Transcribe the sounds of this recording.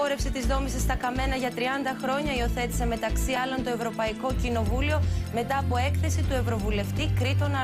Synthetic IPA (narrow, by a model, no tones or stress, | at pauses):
oɾe̞fset̪izðo̞misɐst̪ɐkɐme̞nɐʝɐt̪ɾiɐnd̪ɐxɾo̞ɲɐio̞θe̞t̪i̥se̞me̞t̪ɐksiɐlo̞nt̪o̞e̞vɾo̞pɐiko̞cino̞vulio̞me̞t̪ɐːpo̞e̞kθe̞sit̪ue̞vɾo̞vule̞ft̪ikɾit̪o̞nɐ